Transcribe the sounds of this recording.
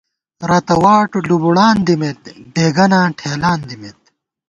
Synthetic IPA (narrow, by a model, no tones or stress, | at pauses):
ɾɐt̪ɐwaːʈlubuɽaːnd̪imet̪̚beːɡɐnãːʈʰeːlaːnd̪imet̪̚